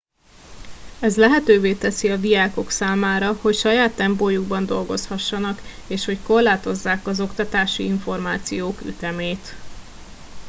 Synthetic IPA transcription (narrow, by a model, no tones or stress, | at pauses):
ɛzlɛɦɛt̪øːveːt̪ɛsiɒd̪iaːko̞ksaːmaːɾɒho̞cʃɒjaːt̪ːɛmpoːjuɡbɒnd̪o̞lɡo̞shɒʃːɒnɒkeːʃho̞cko̞rlaːt̪o̞zːaːkɒzo̞kt̪ɒt̪aːʃḭiɱfo̞rmaːt̪sijoːky̰t̪ɛmeːt̪